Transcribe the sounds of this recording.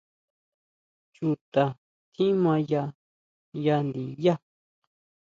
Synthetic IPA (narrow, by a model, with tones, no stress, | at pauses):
t͡ʃu˧t̪a˨ | t̪ʰĩ˦mã˧ja˧ | ja˧nd̪i˨˦ja˦˨